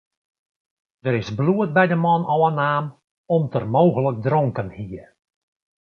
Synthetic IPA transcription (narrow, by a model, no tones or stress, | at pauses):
d̥əɾɪsbluət̚bɛjdəmɔnɔwənaːm | ɔmtərmoːɣələk̚drɔŋkənhiər